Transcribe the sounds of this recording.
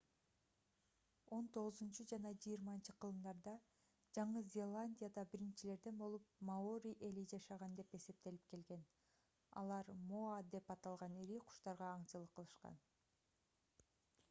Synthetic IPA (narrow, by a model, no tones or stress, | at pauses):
o̞nt̪o̞ʁɯzunt͡ʃud͡ʒɑnɑd͡ʒɯjiɾmɑnt͡ʃɯqʰɯlˠɯmd̪ɑɾd̪ɑ | d͡ʒɑɴɯzʲe̞lˠanʲdʲijad̪ɑbiɾint͡ʃile̞ɾd̪e̞nbo̞lˠup̚maoɾʲiʔe̞lid͡ʒɑʃɑʁɑnd̪e̞pe̞se̞p̚t̪e̞lip̚ke̞lɡe̞n | ɑ̰lˠɑɾmoad̪e̞pɑt̪ɑlˠʁɑniɾiqʰu̥ʃt̪ɑɾʁɑːɴt͡ʃɯlˠɯqʰːɯlˠɯʃqɑ̰n